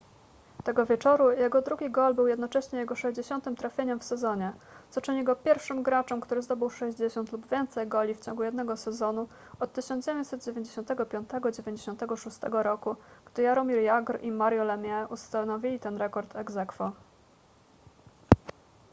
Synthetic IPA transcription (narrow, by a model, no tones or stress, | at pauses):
t̪ɛɡɔvʲjɛt͡ʂɔɾujɛɡɔd̪ɾuɡʲiɡɔlbɘwjɛd̪nɔt͡ʂɛɕɲɛjɛɡɔʂɛʑd͡ʑeɕɔnt̪ɘmt̪ɾafʲjeɲɛmfsɛzɔɲɛt̪sɔt͡ʂɘɲiɡɔpʲjɛɾfʂɘmɡɾat͡ʂɛmkt̪uɾɘzd̪ɔbɘwʂɛʑd͡ʑeɕɔnt̪lubvʲjɛnt̪sɛjɡɔlʲift͡ɕɔ̃ŋɡujɛd̪nɛɡɔsɛzɔnu | ɔt̪ːɘɕɔnd͡ʑevʲjɛɲt͡ɕ̪ʲsɛt̪̚d͡ʑevʲeɲd͡ʑeɕɔnt̪ɛɡɔpʲjɔnt̪ɛɡɔd͡ʑevʲjeɲd͡ʑeɕɔ̃nt̪ɛɡɔʂust̪ɛ̰ɡɔɾɔkuɡ̥d̪ɘjaɾɔmʲiɾjaɡɾʔimaɾjɔlɛmʲjɛʔust̪anɔvʲilʲit̪ɛnɾɛkɔɾt̪ʰɛɡzɛkfɔ